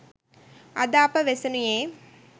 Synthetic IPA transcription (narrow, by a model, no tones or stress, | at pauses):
ɐd̪aːpːɐʋesɐnujeː